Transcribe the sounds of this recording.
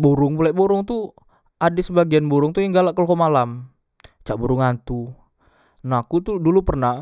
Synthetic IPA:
buɾʊŋbulɛʔboɾʊŋt̪u | ʔadɪsəbaɡianbuɾʊŋt̪ujaŋɡalaʔkəlkomalam | t͡ʃaʔbuɾʊŋant̪u | nakut̪udulupərna

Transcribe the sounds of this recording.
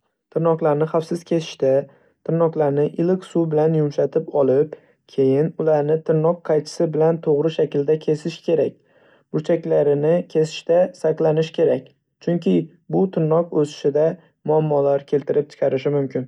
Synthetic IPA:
t̪ʰɪɾnɒqlˠaɾnɪχafsɪz̥kʲʰesʰɪ̥ʃt̪a | t̪ʰɪɾnɒqlˠaɾnɪʔɪlɪkʲsubɪlanjʊmʃat̪ʰɪpɒlˠɪp | kʲʰe̞jɪnʊlaɾnɪt̪ʰɪɾnɒq̚qʰːɑjt̪ʰɪ̥sɪbɪlant̪ʰoʁɾɪʃakʲɪld̪akʲʰe̞sɪʃkʲʰe̞ɾak̚ʲ | b̥ʊɾt͡ʃʰakʲlaɾɪnɪkʲʰe̞sɪ̥ʃt̪asaqlˠanɪʃkʲʰe̞ɾakʲ | t͡ʃʰʊŋkʲʰɪ | bʊt̪ʰɪɾnɒqosɪ̥ʃɪd̪a | mʊamːɒlaɾkʲʰe̞lt̪ɪɾɪp̚t͡ʃ̪ʰɪ̥qʰɑɾɪʃɪmʊmkʲʰɪn

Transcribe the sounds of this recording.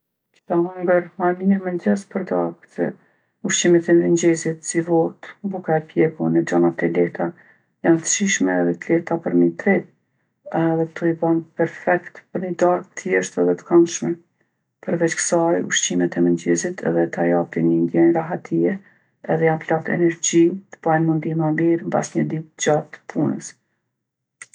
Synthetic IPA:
ki̥t̪aɦuŋɡəɾmamiɛmɛnd͡ʒɛspəɾd̪aɾɡt̪ɛ̰ | uʃt͡ɕimɛt̪ɛndənd͡ʑɛzit̪sivɔt̪bukaɛpjɛɡunɛd͡ʒanat̪ɛlɛt̪a | jant̪ə̥ʃiʃmɛːðɛt̪lɛt̪apəɾmit̪ɾɛt̪̚ | ɛðɛt̪uibanpɛɾfɛkt̪pəɾnəd̪aɾɡ̚t̪əjɛʃt̪ɛðɛt̪ə̥kanʃmɛ | pəɾvɛt͡ɕkə̥sajṵʃt͡ɕimɛt̪ɛmənd͡ʑɛzit̪ʰɛ̰ðɛt̪ajaft̪inind̪jɛnɾaɦat̪ʰiɛ | ɛðɛjanplat̪ɛ̰nɛɾd͡ʑit̪ə̥b̥ajnmund̪imamiɾmba̰sɲəd̪it̪̚d͡ʑat̪ːə̥pʰunə̰s

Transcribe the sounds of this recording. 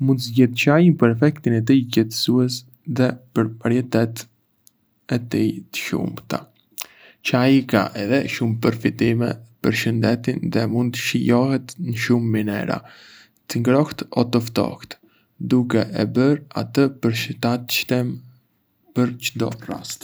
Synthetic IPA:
mund̪zɟɛt̪t͡ʃajinpəɾɛfɛkt̪inɛt̪̬icɛt̪ə̥suɛs | ðɛpəɾpaɾjɛt̪ɛt̪ | ɛt̪it̪ə̥ʃṵmt̪a̰ | t͡ʃajika̰ʔɛðɛʃumpəɾfit̪imɛ̰pəɾʃənd̪ɛt̪inðɛmund̪̚t̪əʃəjɔhɛt̪nəʃumːinɛ̰ɾa̰ | t̪əŋɡɾɔht̪ɔt̪ɔft̪ɔ̰ht̪ | d̪ukɛʔɛbəɾa̰t̪əpəɾʃt̪at̪ʃt̪ɛm | pəɾt͡ʃd̪ɔ̰ra̰st̪

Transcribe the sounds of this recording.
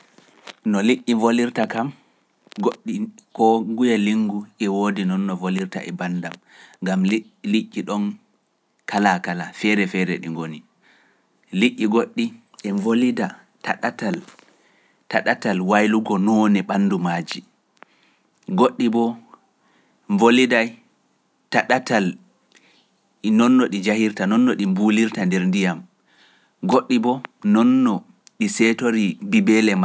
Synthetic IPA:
nɔliʔːivoliɾtakam | ɡoɗːikɔŋɡujaliŋɡuʔɛwoːdinɔnːɔvoliɾta̰ʔɛ̰bandam | ŋɡam | liʔːiɗɔn | kalakalafɛɾɛfɛɾɛ̰ɗiŋɡoni | liʔːiɡoɗːi | ʔɛvolida | taɗatal | taɗatalwajluɡɔnɔːnɛɓanːdumaːd͡ʒi | ɡoɗːibɔ | ɱvolidaj | taɗatal | nɔnːɔɗid͡ʒahiɾtanɔnːɔɗimbuliɾtandɛɾndijam | ɡoɗːibɔnɔnːɔ | ɗisɛtoɾibibɛlɛma

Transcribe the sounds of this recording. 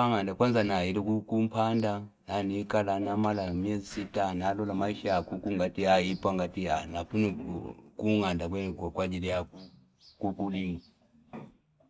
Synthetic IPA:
aŋandakwanzanailikukum̩pʰanda | nanikalanamalamiɛzisitanalɔlamaiʃaakukuŋɡatiaipwaŋɡatijanakunikuŋandakwɛnkkwad͡ʒilija | kukuliŋi

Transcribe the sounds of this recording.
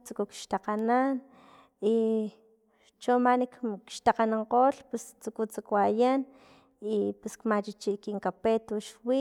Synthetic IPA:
t͡sukukʃt̪aqanan | i | t͡ʃomanikkʃt̪aqanaɴqoːlpest͡sukut͡sakwajan | ipeskmat͡ʃit͡ʃiʔkiŋkapet̪uʃwi

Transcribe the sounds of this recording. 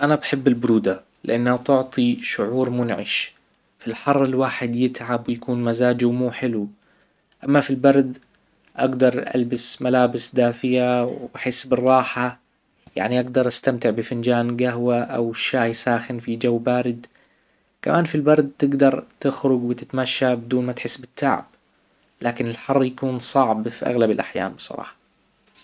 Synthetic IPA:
ʔanabaħɪbːɪlbʊɾuːd̪a | lɪʔanːhat̪ʊʕt̪ˤʰiʃʊʕuːɾmʊnʕɪ̰ʃ | filħɑrˤːɪlwaːħɪd̪jɪt̪ʕabwɪjakuːnmazaːd͡ʒuwmuːħɪlu | ʔamːafilbɑɾˤd̪ | ʔaɡd̪ɑɾˤʔa̰lbɪsmalaːbɪsd̪aːfɪjawħeːsbɪrˤːɑːħa | ja̰ʕniʔaɡd̪ɑɾˤʔast̪amt̪ɪʕbɪfɪnd͡ʒaːnɡaɦwaʔawʃːaːjsaːxanfid͡ʒawːbaːɾɪd̪ | kamʔaːnfilbɑɾˤd̪̚t̪ɪɡd̪ɑɾˤt̪ɪxɾʊɡwɪt̪ɪt̪maʃːabɪd̪uːnmat̪ħɪsːbɪt̪ːaʕ̰b̥ | lʔaːkɪnɪlħɑrˤːjakuːnsˤɑʕbfiʔa̰ɣlabɪlʔaħja̰ːmbɨ̥sˤɑ̰ɾˤɑ̰ːħɑ̥

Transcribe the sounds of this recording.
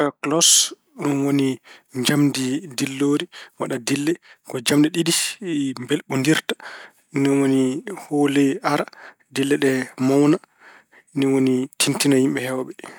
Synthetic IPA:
klɔs | nɔnwoniɲd͡ʒamdidilːoːɾiwa̰ɗadilːɛkɔd͡ʒamdiɗidimbɛlɓundiɾtḁ | nɔnwonihoːlɛaɾa | dilːɛɗɛmawna | niwonitʰintinahimɓɛhɛwaɓɛ

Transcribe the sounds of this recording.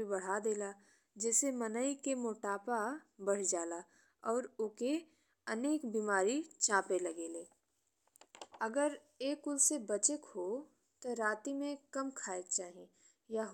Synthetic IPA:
ibɐɽ̤ad̪eːla | d͡ʒɛːsemɐnəikemoːʈaːpabəɽ̤d͡ʒaːla | ɔːɾʊke | ɐneːkbiːmaːɾit͡ʃãːpelɐɡeːleː | ɐɡəɾ | eːkʊlsebɐt͡ʃekɦo | t̪oɾaːt̪imẽkɐmkʰaːek̚t͡ʃaːɦẽ | jaɦ

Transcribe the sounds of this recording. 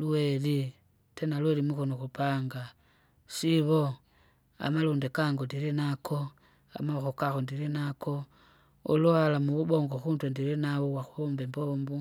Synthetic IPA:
lueli | tenalwelimukonoxupaːŋɡa | ʃiβo | a̰maluːndekaːŋɡondiɾinakʰo̞ | a̰maxokaxondiɾinako̞ | olualamuβuβo̞ːŋɡoxuːntwendiɾinawoβwaxuombembombu

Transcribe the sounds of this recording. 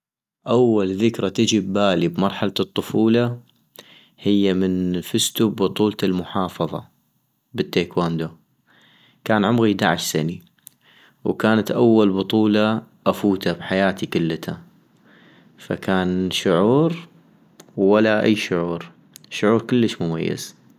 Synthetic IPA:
ʔawːalðɪkɾat̪ɪd͡ʒibːaːlibmɑɾˤħalat̪ˤːʊfuːla | hɪjːamɪnfɪst̪ubːʊt̪ˤuːlt̪almʊħɑːfɑðˤɑ̰ | bɪt̪ːeːkwaːnd̪o | kaːnʕʊmɣid̪aʕaʃsani | wkaːnat̪ʔawːalbʊt̪ˤuːlɑʔafuːt̪abħajaːt̪ikʊlːt̪ʰa | fa̰kʰaːnʃʊʕuːɾ | walːaʔa̰jːʃʊʕuːɾ | ʃʊʕuːɾkəlːəʃmʊmajːɪ̰z̥

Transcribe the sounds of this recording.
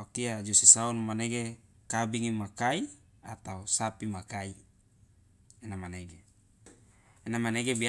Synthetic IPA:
okiad͡ʒosisaunmaneɡe | kabiŋimakai | at̪ausapimakai | enamaneɡe | enamaneɡebi

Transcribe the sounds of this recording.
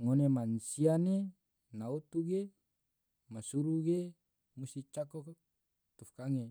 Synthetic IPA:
ŋonemansiane | naut̪uɡe | masuɾuɡe | must̪it͡ʃakɔk | t̪ɔfkaŋe

